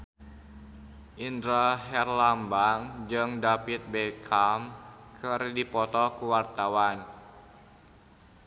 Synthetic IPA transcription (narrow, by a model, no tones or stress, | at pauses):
ʔind̪ɾaɦɛrlambaŋd͡ʒɨŋdapit̪̚bekʰamkʰərdipɔt̪ɔkuwart̪awan